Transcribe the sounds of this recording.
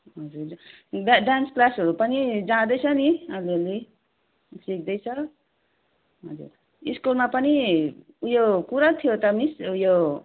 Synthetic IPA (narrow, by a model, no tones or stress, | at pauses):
ɦʌd͡zuɾ | ɖaɖansklasɦʌɾupʌnid͡zãd̪ʌjt͡sʰʌniʌleli | sik̚d̪ʌjt͡sʰʌ | ɦʌ̰d͡zṵr | iskulmapʌni | jokuɾat̪ʰijot̪ʌmisujo